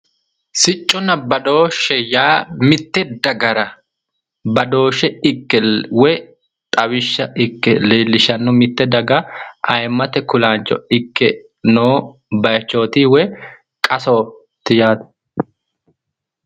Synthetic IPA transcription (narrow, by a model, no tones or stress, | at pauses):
sɪt͡ʃʼːɔnɐbɐd̪o̞ːʃɛjaːmɪt̪ːɛd̪ɐɡɐɾɐ | bɐd̪o̞ːʃɛɪkːɛwɛ | t̪ʼɐwɪʃːɐʔɪkːɛleːlːɪʃɐnːɔmɪt̪ːɛd̪ɐɡɐɐjmːɐt̪ɛkʊlaːnt͡ʃʼːɔ̰ɪkːɛ | noː | bɐjɐt͡ʃːo̞ːt̪iːwɛ | kʼɐsoː | t̪ːɪjaːd̪̥